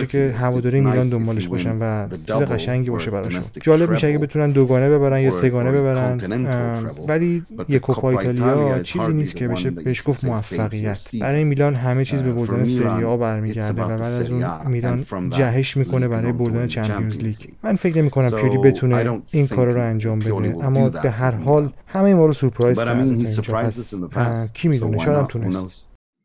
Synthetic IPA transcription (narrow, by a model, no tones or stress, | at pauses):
ecʰe̞ɦævɒːd̪ɒːɾijemiːlɒːnd̪ombɒːle̞ʃbɒʃænvæt͡ʃʰiːzeɣæʃæŋɟiːbɒːʃe̞bæɾɒ̰ʃo̰nd͡ʒɒːle̞b̚miʃeæɡebe̞t̪ʰunænd̪oɡɒːnebe̞βæɾænd̪jɒːse̞ɡɒːne̞be̞βæɾænd̪ | vælijekʰopʰɒːit̪ʰɒːliɒt͡ʃʰiːiziːniːst̪cʰe̞beʃebeeʃɡ̥ofmoæfːæɣijæt̪ʰb̥æɾɒːjemiːlɒːnɦæme̞t͡ʃʰiːzbebo̞ɾd̪ænese̞ɾiɒːbæɾmiːɟæɾd̪e̞væbæːd̪æzuːnmiːlɒnd͡ʒæɦeʃmiːkʰo̞ne̞bæɾɒːjebo̞ɾd̪æne̞t͡ʃʰæmpʰiozliːɟ | mænfe̞cne̞mikʰonæmpʰioɾibe̞t̪ʰuneinkʰɒːɾɒɾoænd͡ʒɒːmbe̞d̪eeʔæmːɒːbe̞ɦæɾɦɒːlhæmejimɒːɾosupʰɾɒjzɾɾd̪mʰeiːnd͡ʒɒːpʰæs | cʰiːmiːd̪uneʃɔjæd̪æmt̪ʰunest̪